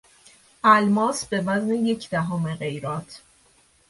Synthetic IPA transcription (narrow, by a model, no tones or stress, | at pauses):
ʔælmɒːsbe̞væzne̞je̞cʰd̪̥æɦɒːmeɣe̞jɾɒːt̪ʰ